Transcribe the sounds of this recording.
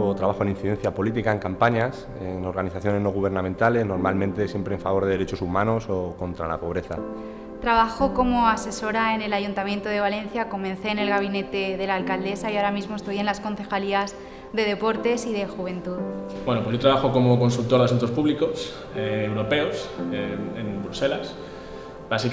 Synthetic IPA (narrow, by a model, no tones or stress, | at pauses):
t̪ɾaβaxoeninθiðe̞n̟θjapo̞lit̪ikaeŋkampaɲas | eŋo̞ɾɣaniθaθjo̞ne̞znoɣ̞uβ̞e̞ɾnãmẽnt̪ale̞zno̞ɾmalmẽnt̪e̞sje̞mpɾeːɱfaβo̞ɾðeeɾe̞t͡ʃo̞sumãno̞so̞ko̞nt̪ɾala̰po̞β̞ɾe̞θa̰ | t̪ɾaβaxoko̞moase̞so̞ɾae̞nelaʝunt̪amjẽ̞nt̪oð̞e̞β̞ale̞n̟θjako̞mẽ̞nθe̞ːne̞lɣaβ̞ine̞t̪e̞ðe̞laːlkald̪e̞saiaoɾamizmo̞e̞st̪o̞je̞nlasko̞nθe̞xaliaz | ðe̞ð̞e̞po̞ɾt̪e̞siðe̞xuβ̞e̞nt̪uð | bwenopwoʝot̪ɾaβaxoko̞moko̞nsult̪o̞ɾðeas̬unt̪o̞spuβliko̞s | eewɾo̞pe̞oseembɾuse̞las | basi